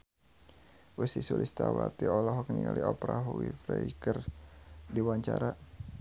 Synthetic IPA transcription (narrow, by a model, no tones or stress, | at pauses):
ʔusisulʔist̪awat̪iɔlɔɦɔkniŋaliɔpɾaɦuwifɾɛikər | diwaɲt͡ʃaɾa